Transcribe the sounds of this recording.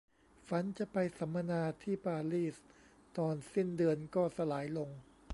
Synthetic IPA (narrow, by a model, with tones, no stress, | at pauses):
fa˩˦nt͡ɕa˨pa˧jsa˩˦mːa˧naː˧t̪ʰiː˥˩paː˧liː˥˩s | t̪ɔː˧nsi˥˩ndɯ˧ənkɔː˥˩sa˧laː˩˦jlo˧ŋ